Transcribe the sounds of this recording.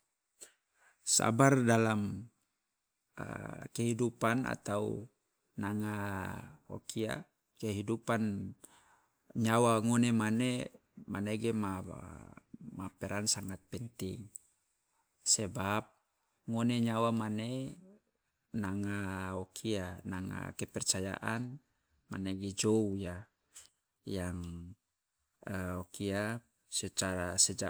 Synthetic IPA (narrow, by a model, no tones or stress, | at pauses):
sa̰bardalam | keɦidupanʔa̰t̪aṵ | naŋa | o̰kʰia̰ | keɦidupan | ɲawaŋonemane | maneɡɛma | mapɛɾansaŋat̪̚pɛnt̪ḭŋ | sɛbap̚ | ŋoneɲawamane | naŋaokʰianaŋa̰kɛpɛrt͡ʃaja̰ʔan | ma̰neɡɛd͡ʒouja | jaŋ | əokia | sɛt͡ʃaɾasɛd͡ʒa